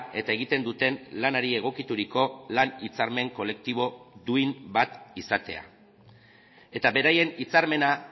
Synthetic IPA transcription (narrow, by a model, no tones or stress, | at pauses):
e̞t̪ae̞ɣ̞it̪e̞nd̪ut̪e̞nlanaɾie̞ɣ̞o̞kit̪uɾiko̞lanit͡saɾme̞ŋko̞le̞k̚t̪iβ̞o̞d̪uimbat̪isat̪e̞̰a̰ | e̞t̪aβe̞ɾaje̞nit͡saɾme̞na